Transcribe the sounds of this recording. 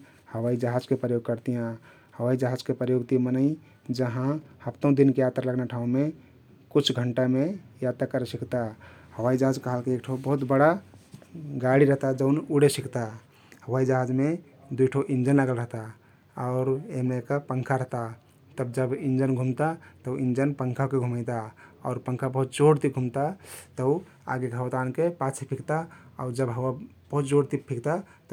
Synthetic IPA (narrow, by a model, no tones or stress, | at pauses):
həwaid͡ʒəɦad͡ʒkepɾəjoɡ̚kəɾt̪ijã | həwaid͡ʒəɦad͡ʒkepɾəjoɡt̪imənəi | d͡ʒəɦãhəpt̪ə̃ũd̪inkejat̪ɾləɡnaʈʰaũme | kut͡ʃʰɡʱəɳʈamejat̪akəɾesikt̪ahəwaid͡ʒəɦad͡ʒkəɦəlkeek̚ʈʰoobəɦut̪bəɽa | ɡaɽiɾəɦt̪ad͡ʒəʊnuɽesikt̪a | həwaid͡ʒəɦad͡ʒme | d̪ujʈʰəʔind͡ʒənlaɡəlɾəɦt̪a | ɔʊɾemneekapəŋkʰaɾəɦt̪a | t̪əbd͡ʒəbind͡ʒənɡʱumt̪at̪əuind͡ʒənpəŋkʰakeɡʱumajt̪aɔːɾpəŋkʰabəɦut̪d͡ʒoɽt̪iɡʱumt̪at̪ə | a̰ɡeɡʱəwt̪ankepat͡ʃʰipʰikt̪aɔʊɾd͡ʒəbɦəwa | b̥əɦut̪̚d͡ʒoɽt̪ippʰikt̪at̪